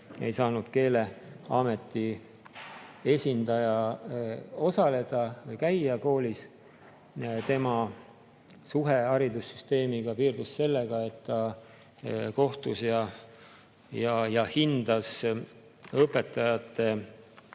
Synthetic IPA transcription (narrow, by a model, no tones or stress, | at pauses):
e̞̰jsɑːnud̪̥ke̞ːle̞ | ɑːme̞t̪ːi | e̞sʲind̪̥ɑjɑ | o̞sɑle̞d̪̥ɑvɤjkæjɑko̞ːlis | t̪e̞mɑ | suɦe̞ɑɾid̪usːy̥st̪e̞ːmiɡ̥ɑpiːrd̪̥usse̞lːeɡ̥ɑe̞t̪ːɑ | ko̞ht̪usjɑ | jɑjɑhind̪̥ɑs | ɤpːˑe̞t̪ːˑɑjɑt̪ːˑe̞